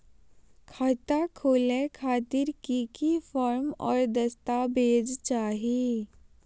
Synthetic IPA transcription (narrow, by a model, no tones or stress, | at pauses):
kʰaːt̪akʰoːlẽkʰaːt̪ɪɾkikifɔːɾmɔ̰ːɾd̪ɐst̪abʱeːd͡ʒt͡ʃaːɦe